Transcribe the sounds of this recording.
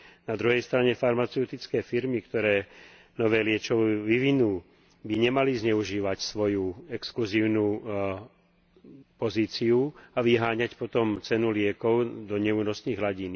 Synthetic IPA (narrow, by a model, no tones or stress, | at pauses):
nad̪ɾuɦɛjst̪ɾaɲɛfaɾmat͡sɛʊt̪it͡skɛːfiɾmikt̪ɔɾɛː | nɔʋɛːlɪɛt͡ʃɔʋʋiʋinuː | biɲɛmalizɲɛuʒiːʋacsʋɔjuɛkskluziːʊnuː | pɔziːt͡siuaʋiɦaːɲacpɔt̪ɔmt͡sɛnulɪɛkɔʊd̪ɔɲɛuːnɔsniːɣɦlaɟin